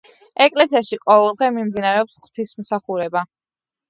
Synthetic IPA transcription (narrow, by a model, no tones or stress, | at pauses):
ɛkʼlɛsiaʃiqʼɔvɛlˠd̪ʁɛmimd̪inaɾɛɔpsχw̥t̪ʰismsaχuɾɛba